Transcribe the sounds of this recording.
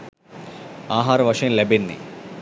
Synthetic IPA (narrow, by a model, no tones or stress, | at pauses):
aːɦaːɾɐʋɐʂɐjənlebenːḭ